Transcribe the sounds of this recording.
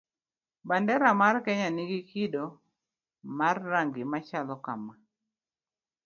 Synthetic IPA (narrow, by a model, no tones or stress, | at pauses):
bandɛɾamarkɛɲaniɡikidɔ | marːaŋɡɪmat͡ʃalɔkama